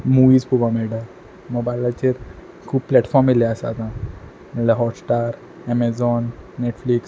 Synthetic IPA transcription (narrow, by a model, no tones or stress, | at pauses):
muʋiːd͡zpubameɽã | moɡbalat͡ɕeɾ | kʰuːbpːlɛʈfɔɾmːilɛəsa̰t̪ã | mɛlaɦɔʈsʈaɾ | ɛmezɔnːeʈfliks